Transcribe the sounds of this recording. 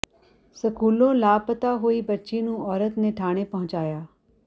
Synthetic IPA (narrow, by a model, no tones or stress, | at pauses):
səkuːlõːlaːpət̪aːɦoːiːbətːʃeːnũːɔːɾət̪neʈʰaːɽ̃eːpəɦʊ̃t͡ʃaːjaː